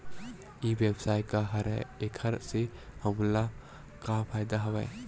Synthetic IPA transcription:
ibɛbsajkaɦaɾa̰ɛkʰaɾsɛhəmla | kapʰajd̪aɦəwa̰j

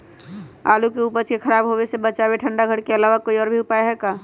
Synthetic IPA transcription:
a̰ːlukeupət͡ʃkekʰəɾaːbɦobesebət͡ʃabeʈʰə̃ɳɖaɡʱəɽkeəlaʋakoːiɔːɾbʱiʊpaeɦɛːkaː

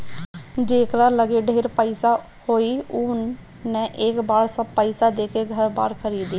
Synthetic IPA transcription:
d͡ʒeːkɾaːləɡeːɖʱeːɾpəisaː | hoːiːʊn | nːɛ̃ːʔeːkbaːɽsəbpəisaːd̪eːkeːɡʱəɾba̰ːɾkʰəɾiːd̪iː

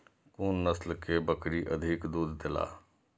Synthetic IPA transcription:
kuːnːəslkebəkɾiʔəd̪ʱikd̪uːd̪d̪ɪla̰ː

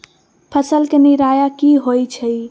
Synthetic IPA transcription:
pʰəsəlkeniɾajakiɦojt͡ʃʰəj

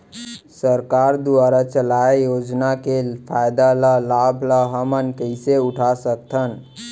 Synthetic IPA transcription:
səɾkaɾd̪uaɾat͡ʃəlajjod͡ʒnakepʰajd̪aləlabʱləɦəmənkəɪseuʈʰasəkt̪ʰən

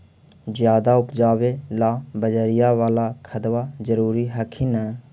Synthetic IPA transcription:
zjaːd̪aːʊpd͡ʒaːʋeːlaːbəd͡ʒəɾɪjaːʋaːlaːkʰət̪ʋaːzəɾuːɾiːɦəkʰiːnɛː

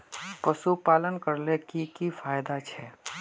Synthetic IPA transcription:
pəsupaːlənkəɾlekikifaːjd̪at͡ʃʰɛː

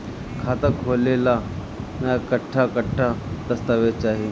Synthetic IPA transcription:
kʰaːt̪əkʰolela | mãkəʈʰːakəʈʰːad̪ɐst̪əʋet͡ʃaːɦi

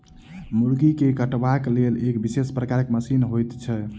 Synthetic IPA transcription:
muɾɡikekəʈbaklelekbisespɾəkaɾkməsinɦojt̪t͡ʃʰɛ

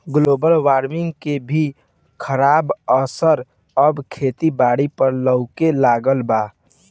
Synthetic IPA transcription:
ɡloːbəlwaːɾmɪŋɡkebʱi | kʰəɾaːbəsəɾ | əbkʰeːt̪ibaːɽipəɾləʊkelaːɡəlbaː

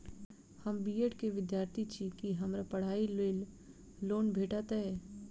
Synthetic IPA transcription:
hɐmbiːeʈkeʋɪd̪jaːɾt̪ʰit͡ʃʰikiɦɐmɾapɐɽ̤aːileːl | loːnbʱeːʈat̪aɦɛː

